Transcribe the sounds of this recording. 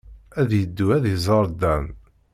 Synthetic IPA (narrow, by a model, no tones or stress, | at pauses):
æðjəd̪ːuæðjəzˤəɾˤd̪æn